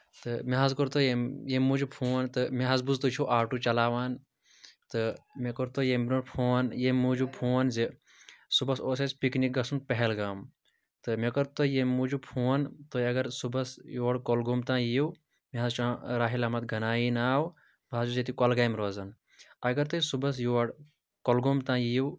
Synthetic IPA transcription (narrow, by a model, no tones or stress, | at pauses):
t̪ɨmiɦazkoɾt̪ojejemuːd͡ʒupʰuːwɐnt̪ɨmiɦazbuzt̪ut͡ʃʰuʔaːʈut͡ʃɐlaːʋaːn | t̪ɨmekɐɾt̪ojembnoɽpʰuɐnjemːud͡ʒupʰuwɐnze | subɐsoːsespiknik̚ɡɐsunpɐɦelɡaːm | t̪ɨmekɐɾt̪ojemuːd͡ʒupʰuːwɐnt̪oɐɡɐɾsubɐsjuʋɐɽkolɡomt̪ãːjijw | meɦazt͡ʃʰãɾaːɦilɐmɐt̪ɡʱɐnaːjinaːw | bʱaːd͡ʒuzet̪ikɐlɡaːjmɾoːzɐn | ɐɡɐɾt̪ɨsubɐs̬juʋɐɽ | kolɡomt̪ãːjijw